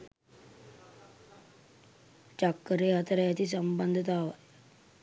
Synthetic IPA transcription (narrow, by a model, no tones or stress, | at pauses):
t͡ʃakːəɾeɦat̪ɾajat̪iːs̬əmbənd̪ʱət̪aʋaj